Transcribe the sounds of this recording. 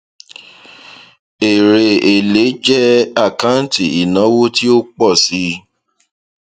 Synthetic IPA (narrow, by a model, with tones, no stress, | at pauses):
e˨ɾe˧˨e˨le˨˦d͡ʒɛ˦a˦˨ka˦n˦ti˨i˨nã˨˦wo˦ti˦o˦k͡pɔ˦˨si˨˦